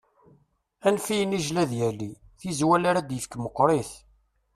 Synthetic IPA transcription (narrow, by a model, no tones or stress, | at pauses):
ænfijəniʒlæðjæli | θizwælaɾæd̪jəfkməqːɾˤiθ